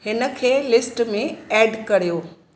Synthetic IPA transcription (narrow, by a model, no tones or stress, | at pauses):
hɪnə̆kʰeːlɪsʈmẽɛːɖkɐɾ̤ijoː